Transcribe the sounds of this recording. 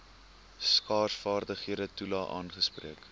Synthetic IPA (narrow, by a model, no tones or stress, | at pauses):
skɑːrsfɑːrdəχiədətulɑːʔɑ̰ːnχəspriək